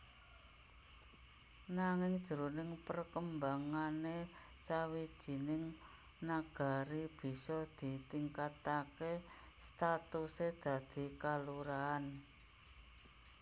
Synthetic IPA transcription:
naŋɪŋd̥ʒ̥əɾunɪŋpərkəmbaŋane | sawid̥ʒ̥i̤nɪŋ | naɡ̥a̤ɾib̥i̤sɔd̪̥i̤t̪iŋkat̪ake | st̪at̪used̪̥a̤d̪̥i̤kaluɾaːn

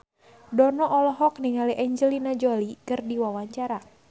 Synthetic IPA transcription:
dɔnɔʔɔlɔɦɔk̚niŋaliʔɛɲd͡ʒəlinad͡ʒɔlikɨrdiwawaɲt͡ʃaɾa

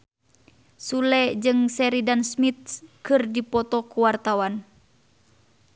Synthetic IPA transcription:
sulɛd͡ʒɨŋsɛɾidansmit̪̚kɨrdipɔt̪ɔkuwart̪awan

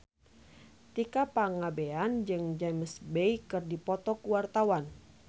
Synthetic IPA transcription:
t̪ikapaŋabeand͡ʒɨŋd͡ʒaməsbejkɨrdipɔt̪ɔkuwart̪awan

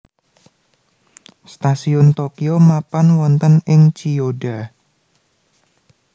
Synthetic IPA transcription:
st̪asiɔnt̪okiomapanwɔnt̪ənɪŋt͡ʃioɖa

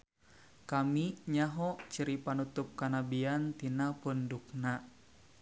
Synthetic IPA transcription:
kamiɲaɦɔt͡ʃəɾipanut̪up̚kanabiant̪inapunduk̚na

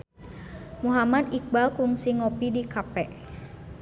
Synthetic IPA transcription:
muɦamad̪ik̚balkuŋsiŋopidikapɛʔ

